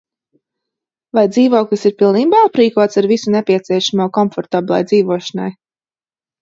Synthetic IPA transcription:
vajd̪ziːvuɔklˠisiɾpilˠniːbaːapɾiːkuɔt̪saɾvisunɛpʲiɛt̪siɛʃamoɔːkɔmfɔɾt̪abilˠa̰jd̪ziːvuɔʃana̰j

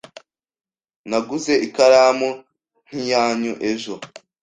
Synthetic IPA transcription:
naɡuze̞ʔikaɾaːmu | n̥ijaːɲuʔe̞ʒo

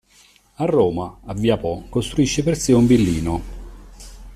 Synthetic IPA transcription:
arːɔːmaavːiapɔkost̪ɾuiʃːepersiumbilːiːno

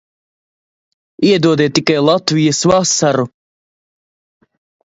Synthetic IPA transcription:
iɛd̪uɔd̪ɛːt̪ːikːajlˠɑt̪vijəsvasaɾu

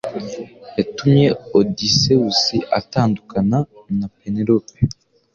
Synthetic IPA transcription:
jatumɲe̞odise̞wusiʔataːndukananapeneɾope

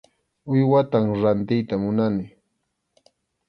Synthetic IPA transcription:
ʊjwat̪aŋɾant̪ɪjt̪amʊnanɪ

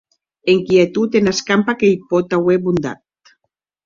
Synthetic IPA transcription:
eŋkiet̪ut̪enaskampakejpot̪aweβund̪a̰t̪̚

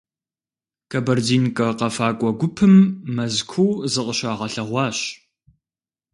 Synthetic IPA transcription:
kʰɐbɐrdiːnkʼɐqɐfaːkʷʼɔɡʷʊpʰɨmːɐzkʷʰuwzɨqʼəɕaːʁɐɬɐʁʷɑːɕ

